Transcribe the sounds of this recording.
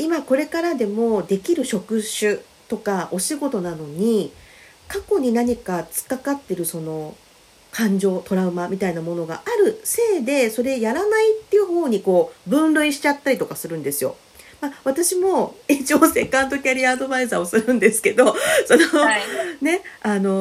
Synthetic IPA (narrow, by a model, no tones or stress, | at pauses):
imako̞ɾe̞kaɾad̪e̞mo̞d̪e̞kʲiɾɯ̟ɕo̞kɯ̟ɕɨ | t̪o̞kao̞ɕiɡo̞t̪o̞nano̞ɲ̟i | kako̞ɲ̟inaɲ̟ikat͡sɨ̥kakat̪ːe̞ɾɯ̟so̞no̞ | kʰãɲ̟d͡ʑo̞ːt̪o̞ɾaɯ̟mamʲit̪ainamo̞no̞ɡa̰ʔaɾɯ̟se̞ːd̪e̞so̞ɾe̞jaɾanait̪ːejɯ̟ho̞ːɲ̟iko̞ːbɯ̟̃nɾɯ̟iɕi̥t͡ɕat̪ːaɾʲit̪o̞kasɨɾɯ̟̃nd̪e̞sɨjo̞̰ | maβ̞at̪aɕimo̞it͡ɕiose̞kːãnt̪o̞kʲaɾʲiaːd̪o̞baizaːo̞sɨɾɯ̟̃nd̪e̞sɨ̥ke̞d̪o̞so̞none̞ano̞